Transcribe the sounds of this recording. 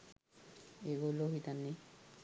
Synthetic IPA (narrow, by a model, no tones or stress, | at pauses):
eɡoloɦit̪anːi